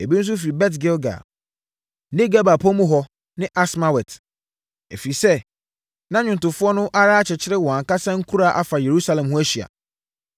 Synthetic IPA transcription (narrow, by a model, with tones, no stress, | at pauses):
e˨bi˦ñ̩˦s̬ʊ˦fi˨ɾi˨bɛ˦t̬ɡe˦lɡa̰˨ | nɪ̃˦ɡa˦ba˨pʰo˦mũ˦ɦɔ˦ | nɪ̃˦ʔa˦sma˦wɛ˨t | ḛ˨fi˨sɛ˦ | nã˦ɲᶣʊ̃˨n˨tʊ˨fʊ˦ɔ˦nʊ̃˦ʔa˦ɾaː˦t͡ɕʰɪ˨t͡ɕʰɪ˦ɾɪ˦wɔ̃˨a˨ka˦sã˦ŋ̩˦kʰu˦ɾa˦˨ʔa˨fa˨je˨ɾu˦sa˦lɛ̃˨mhʊ̃˦æ˦ɕi˨a̰˨